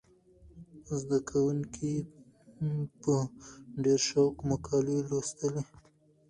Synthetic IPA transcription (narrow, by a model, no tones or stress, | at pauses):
zd̪akʰawuŋkʰi | pəɖeɾʃawkmakʰɑlilost̪əle